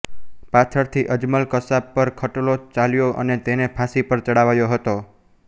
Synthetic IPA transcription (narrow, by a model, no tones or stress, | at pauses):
pat̪ʰəɾt̪ʰiʔəd͡ʒməlkəsabpːəɾkʰəʈolot͡ʃaljoʔə̰net̪enepʰasipəɾt̪əɽaʋajoɦət̪o